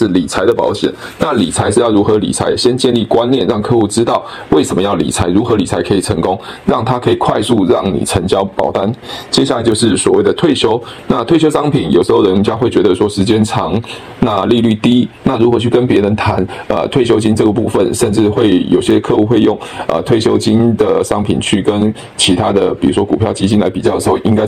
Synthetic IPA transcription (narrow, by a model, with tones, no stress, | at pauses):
ʂɻ̩˥˩li˨˩t͡sʰa˧˥ɪd̪ə˨pɑ̰˧˥ʊɕjɛ̰˨˩˦n | na˥˩li˨˩t͡sʰa˧˥ɪʂɻ̩˥˧jɑ˥˩u˧˥xɤ˧˥lḭ˨˩t͡sʰa̰˧˥ɪɕjɛ˥nt͡ɕjɛ˥˧nli˥˩kwa˦nnjɛ˥˩nɻɑ˥˩ŋkʰɤ˥˧xu˥˩ʈ͡ʂɻ̩˥t̪ɑ˥˨ʊ | we˥˩ɪʂə˧˥mə˧jɑ˥˩ʊlḭ˨˩t͡sʰa˧˥ɪɻu˧˥xɤ˧˦li˨˩t͡sʰa˧˥ɪkʰɤ˧˥i˨˩ʈ͡ʂʰə˧˥ŋkʊ˦ŋɻɑ˥˩ŋt̪ʰa˥kʰɤ˧˥i˨˩kʰwa˥˧ɪsu˥˧ɻɑ˥˩ŋnḭ˨˩ʈ͡ʂʰə˧˥ŋt͡ɕjɑ˥ʊpɑ̰˨˩ʊt̪a˥˩nt͡ɕjɛ˥ɕja˥˩la˨˧ɪt͡ɕo˥˧ʊʂɻ̩˥˩swɔ˨˩we˥˩ɪə˩t̪ʰwe˥˩ɪɕjo˥ʊ | na˥˧˨t̪ʰwe˥˧ɪɕjo˥ʊʂɑ˥ŋpʰi˨˩˦njo˨˩ʊʂə˧˥xo˥˩ʊɻə˧˦nt͡ɕja˥ŋxwe˥˩ɪt͡ɕɥɛ˧˥d̪ə˧ʂwɔ˥ʂɻ̩˧˥t͡ɕjɛ˥nʈ͡ʂʰɑ˧˥ŋ | na˥˧li˥˧ly˥˩t̪i˥na˥˩ɻu˧˥xɤ˧˦t͡ɕʰy˥˩kə˥npjɛ˧˥ɻə˧˦nt̪ʰa˧˦nə̰˨t̪ʰwe˥˩ɪɕ̬jo˥ʊt͡ɕi˥nʈ͡ʂɤ˥˩ɡə˩pu˥˧˩fə̰˨nʂə˥˧nʈ͡ʂɻ̩˥˧xwe˥˩ɪjo̰˨˩ʊɕjɛ˥kʰɤ˥˧u˥˩xwe˥˧ɪjʊ˥˩ŋə̰˨˩t̪ʰwe˥˩ɪɕjo˥ʊt͡ɕi˥nd̪ə˩ʂɑ˥ŋpʰḭ˨˩nt͡ɕʰy˥˩kə˦n | t͡ɕʰi˧˥t̪ʰa˥d̪ə˨pi˨˩ɻu˧˥ʂwɔ˥ku˨˩pʰjɑ˥˩ʊt͡ɕi˥t͡ɕi˥nla˧˥ɪpi˨˩t͡ɕɑ˥˩d̪ə˩˧˥o˥˩ʔi˥ŋka˥